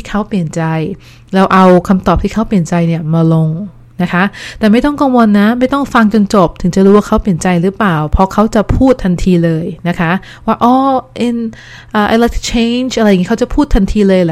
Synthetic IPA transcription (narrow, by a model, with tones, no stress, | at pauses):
t̪ʰiː˥˩kʰa˦˥wpli˨˩ənt͡ɕa˧j | lɛ˦˧˥wʔa˧wkʰa˧mt̪ɔː˨˩p̪̚ʰiː˥˩kʰa˦˥wpli˨˩ənt͡ɕa˧jni˥˩əmaː˧lo˧ŋ | na˦˥kʰa˦˥t̪ɛː˨˩ma˥˩jt̪̬ɔ˥˩ŋkaː˧ŋwo˧nːa˦˥ma˥˩jt̪ɔ˥˩ŋfa˧ŋt͡ɕo˧nt͡ɕo˨˩p̚t̪ʰɯ˨˩˦ŋt͡ɕa˨˩ɾuː˦˥waː˥˩kʰa˦˥wpli˨˩ənt͡ɕa˧jɾɯː˦˥plaː˨˩wpʰɔ˦˥kʰa˦˥wt͡ɕa˨˩pʰuː˥˩t̪ʰːa˧nt̪ʰiː˧lɤː˧jna˦˥kʰa˦˥ | waː˥˩ʔɔː˧˩ʔi˧n | ʔaː˨˩ʔa˧jla˦˥t̪ʰi̥˥t͡ɕʰe˧nt͡ɕʔa˧ɾa˧jŋi˦˥a˥t͡ɕa˨˩pʰuː˥˩t̪ʰːa˧nt̪ʰiː˧lɤː˧jlɛ˦